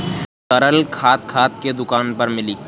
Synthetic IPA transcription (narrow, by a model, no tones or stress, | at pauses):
t̪ɐɾəlkʰaːt̪̚kʰaːt̪̚ked̪ʊkaːnpɐɾmɪliː